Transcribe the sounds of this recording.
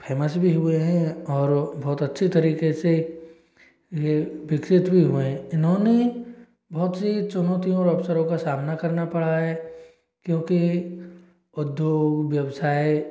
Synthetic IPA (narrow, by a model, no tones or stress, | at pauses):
pʰɛːməsbʱiɦʊeɦɛ̃ɔːɾbɔːt̪ɐtːʃʰit̪ɐɾiːkese | jeʋɪksɪt̪bʱiɦuẽɪnɦõne | bɔːt̪sit͡ʃʊnɔːt̪ijõɔːɾɐbsəɾõkasaːmnakɐɾnapɐɽ̤aɦɛː | kjõːki | ʊd̪joːɡʋjɐwsaːe